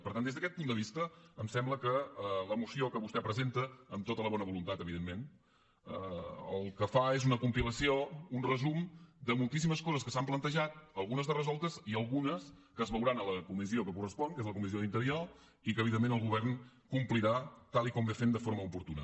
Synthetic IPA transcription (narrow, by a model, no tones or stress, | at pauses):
pəɾt̪and̪ezðəkɛt̪̚pund̪əβist̪əːmsɛmbləkəələmusiokəβust̪ɛpɾəzent̪əːmt̪ot̪ələβɔnəβulunt̪at̪əβiðemmːen | ə̰ə̰lˠkəfaezunəkumpiləsiounrəzumd̪əmulˠt̪is̬iməskɔzəskəsamplənt̪əʒat̪̚əlˠɣunəzðərəzɔlˠt̪əziəlˠɣunəs | kəzβəwɾanələkumiziokəkurəspɔnkezləkumizioðint̪əɾiɔ | ikəβiðemːenəlˠɣuβɛrn | kumpliɾat̪alˠikɔmbefend̪əfoɾməupuɾt̪unə̰